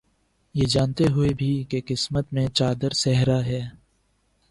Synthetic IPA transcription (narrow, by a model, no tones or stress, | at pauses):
jeːd͡ʒaːnt̪eɦʊebʱikeqɪsmət̪mẽt͡ʃaːd̪əɾsɛɦɾaɦɛː